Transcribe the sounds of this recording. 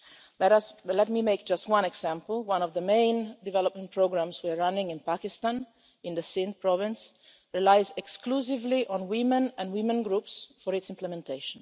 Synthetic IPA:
lɛɾʌslɛt̚mimeɪk̚d͡ʒʌst̚wʌ̃nɛɡsæ̃mpl̩ˠwʌ̃nɔvðəmẽɪ̃ndɨvɛləp̚mə̃npʰɹoɡɹãmzwiəɹanɪ̃ŋɪ̃npakɪstãn | ɪ̃nðəsɪ̃npʰɹɔvɪ̃ns | ɹilaɪzɛksklus̬ɪvliʔɔ̃nwɪ̃mə̃næ̃nwɪ̃mə̃nɡɹupsfɔɹɪtsɪ̃mplɛmɛ̃ntʰeɪʃə̃n

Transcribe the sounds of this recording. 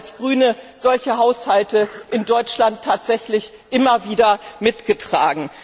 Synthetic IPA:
lsɡ̥ʁyːnə | z̥ɔlçəɦaʊshaltəʔɪndɔʏt͡ʃlantʰːaːtz̥ɛçlɪç | ʔɪmɐviːdɐmɪtɡ̥ətʁ̥aːɡŋ̩

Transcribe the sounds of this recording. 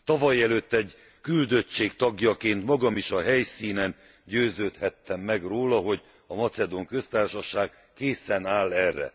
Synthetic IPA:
t̪ɒvɒjɛløt̪ːɛɟ | kyld̪ø̞t͡ʃːeːkt̪ɒɡjɒkeːnt̪mɒɡɒmiʃɒɦɛjsiːnɛn | ɟøːzøːt̪hɛt̪ːɛmːɛɡroːlɒɦoɟ | ɒmɒt̪sɛd̪oŋkø̞st̪aːrʃɒʃaːɡ | keːsɛnaːlːɛrːɛ̰

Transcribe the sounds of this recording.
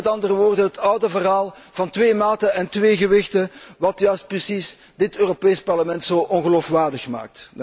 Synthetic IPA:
ɛtɑndərəʋoːrdəɦətʌwdəvərɦaːlˠ | vɑntʋeːmaːtəɛntʋeːɣəʋɪxtəʋɑtjœɥst̚prəsis | dɪtøːropeːspɑrləmɛntsoːʔɔnɣəloːfʋaːrdəxma̰ːk̚t

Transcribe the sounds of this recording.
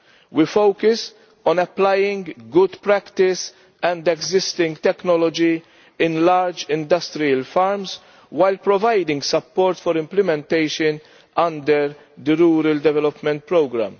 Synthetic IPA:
wifowkʊs | ɔ̃nɐplɐjɪ̃ŋɡɡʊd̪pɾɛkt̪ɪs | ɛ̃nd̪ɛɡzɪst̪ɪ̃ŋɡt̪ɛknɔlɔd͡ʒi | ɪ̃nlɐɾd͡ʒɪ̃nd̪ɐst̪ɾiɐlfɐɾms | wɐjlpɾɔvɐjd̪ɪ̃ŋɡsɐpːɔːɾt̪fɔɾɪ̃mplɪmɛ̃nt̪ɛjʃən | ɐ̃nd̪əɾ | d̪əɾuːɾɐld̪ɛvɛlɔpmɛ̃nt̪̚pɾowɡɾæ̰m

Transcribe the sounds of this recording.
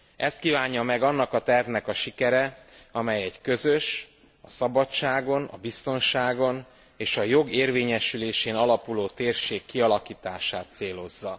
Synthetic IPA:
ʔɛst̪̚kiːvaːɲːɒmɛɡɒnːɒkɒt̪ɛrvnɛkɒʃikɛɾɛɒmɛjɛɟkø̞zøʃ | ɒsɒbɒt͡ʃːaːɡo̞nɒ̰bist̪o̞nʃaːɡo̞n | eːʃɒjo̞ɡeːrveːɲɛʃyleːʃeːnɒlɒpuloːt̪eːrʃeːkːiɒlɒkiːt̪aːʃaːt̪seːlo̞zːɒ

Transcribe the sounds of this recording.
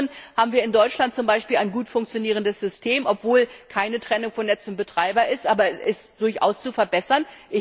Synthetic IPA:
ənhaːbm̩viːɐɪndɔʏt͡ʃlant̚t͡sʊmbaɪʃpiːlaɪnɡuːtfʊŋk̚t͡sjoniːʁəndəsz̥ʏstʰeːmʔɔpv̥oːlkʰaɪnətʁ̥ɛnʊŋfɔnːɛt͡sʊnt̚b̥ətʁ̥aɪbɐɪstʔaːbɐʔɪstd̥ʊɐçʔa̰ʊst͡sufɛɐbɛsɐnʔɪ

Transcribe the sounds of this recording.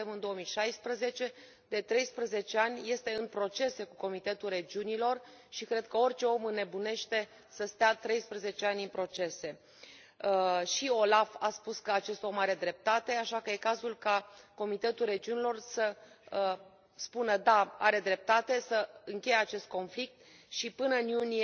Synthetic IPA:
emɨnd̪o̞wəmijʃajspɾəze̞t͡ʃe̞ | d̪e̞t̪ɾe̞jspɾəze̞t͡ʃeanʲje̞st̪e̞ɨnpɾo̞t͡ʃe̞se̞kuko̞mit̪e̞t̪ulre̞d͡ʒiunilo̞r | ʃikɾe̞d̪̚kəo̞rʲt͡ʃe̞o̞mɨne̞bune̞ʃt̪e̞ | səst̪eat̪ɾe̞jspɾəze̞t͡ʃeanʲinpɾo̞t͡ʃe̞se̞ | ʃio̞lafaspuskəat͡ʃe̞st̪o̞maɾe̞d̪ɾe̞p̚t̪at̪e̞aʃakəje̞kazulkako̞mit̪e̞t̪ulre̞d͡ʒiunilo̞rsə | spunəd̪aaɾe̞d̪ɾe̞p̚t̪at̪e̞səɨŋkʲe̞jeat͡ʃe̞st̪̚ko̞nflik̚t̪ | ʃipɨnəɨnjunie

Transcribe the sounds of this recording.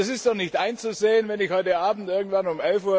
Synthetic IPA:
s̬ɪstd̥ɔχnɪçtʔaɪnt͡suzeːənvɛnɪçhɔʏtəaːbm̩tʔɪɐɡŋ̩tv̥anʊmɛlfuːɐ

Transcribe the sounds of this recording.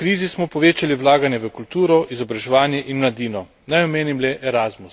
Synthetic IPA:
kɾiːzismɔpɔʋeːt͡ʃaliwlaːɡanjɛʋəkult̪uːɾɔʔizɔbɾaʒɛʋaːnjɛʔinmlad̪iːnɔ | najɔmeːnimlɛʔɛɾaːzmus

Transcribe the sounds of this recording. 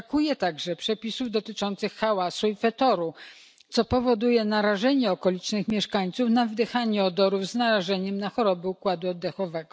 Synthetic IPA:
kujɛt̪aɡʐɛpʂɛpʲisuvd̪ɔt̪ɘt͡ʂɔnt̪sɘxːawasuifɛt̪ɔɾu | t̪sɔpɔvɔd̪ujɛnaɾaʐɛɲɛɔkɔlʲit͡ʂnɘxmʲjɛʂkaɲt̪sufnavd̪ɘxaɲɛɔd̪ɔɾuvznaɾaʐɛɲɛmnaxɔɾɔbɘukwad̪uɔd̪ːɛxɔvɛɡɔ

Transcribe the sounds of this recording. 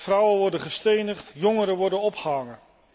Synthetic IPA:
frawəʋɔɹdəχəstejnəχtjɔŋəɾəʋɔrdənɔpχəɦɑŋə

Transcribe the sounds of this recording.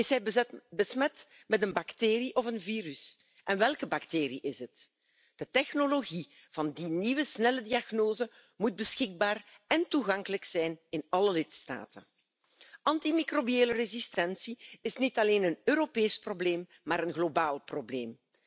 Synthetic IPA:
ɪsɦɛjbəsmɛt | mɛtənbɑkteːɾiʔɔvənviːɾys | ʔɛnʋɛlˠkəbɑkteːɾiʔɪzɦət | d̥ətɛxnoloɣi | v̥ɑndiniwəsnɛlədiɑɣnoːzə | mud̚bəsxɪɡ̚baːr | ɛntuɣɑŋkələksɛjnɪnɑləlɪtsta̰ːtən | ɑntimikrobieːlərezistɛnsiɪsnitɑleːnənøːɾopeːsprobleːmːaːɾənɣlobaːlˠprobleːm

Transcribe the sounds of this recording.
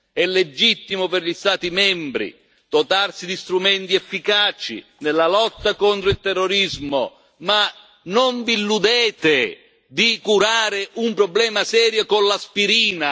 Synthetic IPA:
ɛlːed͡ʒit̪ːimʊpɪrʎist̪aːt̪imɛmbɾḭ | d̪̥ot̪arsid̪ist̪ɾumɛnt̪iɛfːikaːt͡ʃḭ | nelːalɔt̪ːakont̪ɾʊilt̪ɛrːoɾizmʊ̰ | ma | noɱvilːud̪ɛːt̪ɪ | d̪ikuɾaːɾɪʔumpɾɔblɛːmasɛːɾjokonlaspiɾiːna

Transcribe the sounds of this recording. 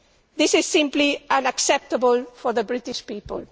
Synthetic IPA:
ðɪsɪz̥sɪ̃mpliãnaksɛp̚t̪əbəlˠfɔ˞ðəbɹɪtɪʃpiːpə̰l

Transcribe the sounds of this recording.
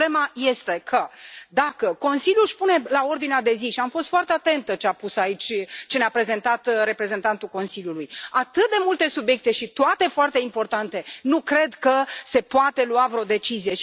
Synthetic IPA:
lemaje̞st̪e̞kʰəd̪akəko̞nsiljuʃpune̞lao̞rd̪inead̪e̞ziʃiamfo̞s̬t̪foart̪eat̪e̞nt̪ət͡ʃeapusait͡ʃʲt͡ʃeneapɾe̞ze̞nt̪at̪ɾe̞pɾe̞ze̞nt̪ant̪ulko̞nsilʲjulujat̪ɨt̪̚d̪e̞mult̪e̞subje̞k̚t̪e̞ʃit̪oat̪e̞foart̪e̞impo̞rt̪ant̪e̞nukɾe̞d̪kəse̞poat̪e̞luavɾeo̞d̪e̞t͡ʃizije̞ʃ

